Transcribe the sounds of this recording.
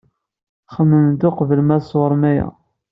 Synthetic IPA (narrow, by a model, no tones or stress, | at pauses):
χəmːənd̪oqvəlmæsˤwəɾˤmæjæ̰